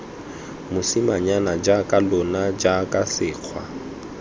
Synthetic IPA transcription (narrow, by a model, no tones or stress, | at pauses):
mʊsimaɲanad͡ʒakʼalʊnad͡ʒakʼasɪːq͡χʰwa